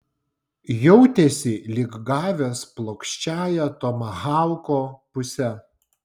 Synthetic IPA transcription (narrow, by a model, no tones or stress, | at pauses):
jɔʊt̪ʲesʲɪlʲɪɡɡɑːʋʲesplˠoːkʃʲt͡ʃʲæːjɛt̪oːmɐɣɑˑʊkoːpʊsʲɛ